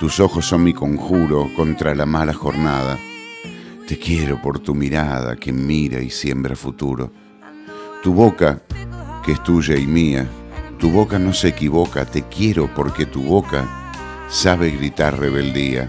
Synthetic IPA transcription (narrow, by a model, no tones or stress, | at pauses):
t̪uso̞xosːo̞nmiko̞ŋxuɾo̞ko̞nt̪ɾalamalaxo̞ɾnað̞a | t̪e̞kje̞ɾo̞po̞ɾt̪umiɾað̞a̰kemiɾa̰isje̞mbɾa̰fut̪uɾo̞̰ | t̪uβo̞kakeest̪uʒaimiat̪uβo̞kano̞seːkiβo̞kat̪e̞kje̞ɾopo̞ɾke̞t̪uβo̞ka̰ | saβeɣɾit̪aɾreβe̞ld̪ia̰